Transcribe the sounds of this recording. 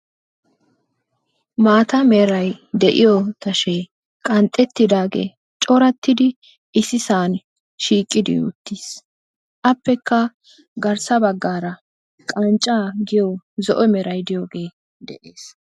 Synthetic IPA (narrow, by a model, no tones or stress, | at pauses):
maːt̪ɐmɛɾɐjd̪ɛʔɪjɔt̪ɐʃɛ | kʼɐnt̪ʼːɛt̪ːɪd̪aːɡḛː | t͡ʃʼɔɾɐt̪ːɪd̪ɪ | ʔɪsɪsaːn | ʃiːkʼːɪd̪ɪ̰ːt̪ːiːs | ʔɐpːɛkːɐ | ɡɐɾsɐbɐɡːaːɾɐ | kʼɐnt͡ʃʼːaːɡɪjɔzɔʔɔmɛɾɐjd̪ɪjoːɡe̞ː | d̪ɛ̰ʔeːs